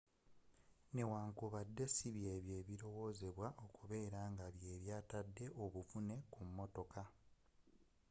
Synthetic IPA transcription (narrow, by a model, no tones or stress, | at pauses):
ne̞waːŋkuβadːe̞siβje̞ːβje̞ːβiɾo̞wo̞ːze̞βwaʔo̞kuβe̞ːɾaːŋɡaβje̞ːβjaːtadːe̞ʔo̞βufune̞kumːoto̞ka